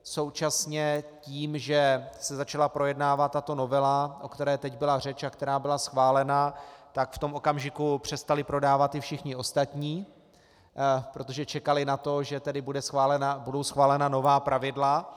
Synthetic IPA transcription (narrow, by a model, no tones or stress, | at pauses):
so̞wt͡ʃasɲɛciːmʒɛsɛzat͡ʃalapɾo̞jɛdnaːvat̪ːat̪o̞no̞vɛlaʔo̞kt̪ɛɾɛːt̪ɛɟbɪlar̝ɛt͡ʃakt̪ɛɾaːbɪlasxvaːlɛnat̪akft̪o̞mʔo̞kamʒɪkupr̝̥ɛst̪alɪpɾo̞daːvat̪ːɪfʃɪxɲɪo̞st̪at̪ɲiː | pɾo̞t̪o̞ʒɛt͡ʃɛkalɪnat̪o̞ʒɛt̪ɛdɪbudɛsxalɛnabudo̞wsxvaːlɛnano̞vaːpɾʔavɪdla